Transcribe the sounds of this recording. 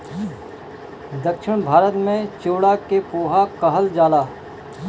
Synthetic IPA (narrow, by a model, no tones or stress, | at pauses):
d̪əkʃɪɽ̃bʱaːɾət̪mẽt͡ʃoːɽakepoːɦakɐɦəld͡ʒaːlaː